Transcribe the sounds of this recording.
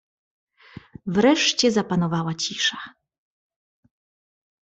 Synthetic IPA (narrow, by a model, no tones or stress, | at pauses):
vɾɛʂt͡ɕɛzapanɔvawat͡ɕiʂḁ